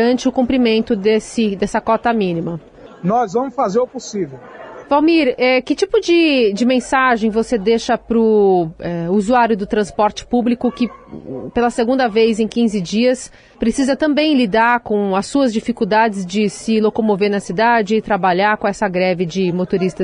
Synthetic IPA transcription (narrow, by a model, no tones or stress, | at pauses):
ɐ̃nt͡ʃɪʊkũmpɾimẽnt̪ʊd̪esɪd̪ɛsɐkɔt̪ɐmĩnimɐ | nɔzvɐ̃mʊsfazeɾʊposivewvawmiɾɛkɪt͡ʃipʊd͡ʒɪd͡ʒɪmẽsaʒẽj̃vosed̪eʃɐpɾʊɛuzuaɾjʊd̪ʊt̪ɾɐ̃spɔɾt͡ʃɪ̥publikʊkɪpelɐseɡũnd̪ɐvejzẽj̃kĩzɪd͡ʒiɐs | pɾesizɐt̪ɐ̃mbẽj̃lid̪aɾkõɐsːuɐzd͡ʒifikuwd̪ad͡ʒɪzd͡ʒɪsɪlokomoveɾnɐsid̪ad͡ʒɪːt̪ɾabaʎaɾkõɛsɐɡɾɛvɪd͡ʒɪmot̪oɾist̪ɐ